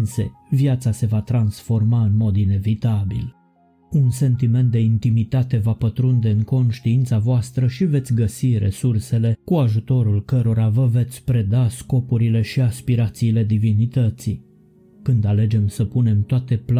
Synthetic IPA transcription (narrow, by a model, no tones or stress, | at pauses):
nse̞̰vjat̪sase̞vat̪ɾansfo̞rmaɨnmo̞d̪ine̞vit̪abḭl | unse̞nt̪ime̞nt̪̚d̪eint̪imit̪at̪e̞vapət̪ɾund̪e̞ɨŋko̞nʃt̪iint̪savoast̪ɾəʃive̞t̪sʲɡəsiɾʔe̞̰surse̞le̞kuaʒut̪o̞ɾulkəɾo̞ɾavəve̞t̪sʲpɾe̞d̪asko̞puɾile̞ʃiaspiɾat̪siːle̞d̪ivinit̪ət̪si | kɨnd̪ale̞d͡ʒe̞msəpune̞mt̪oat̪e̞pl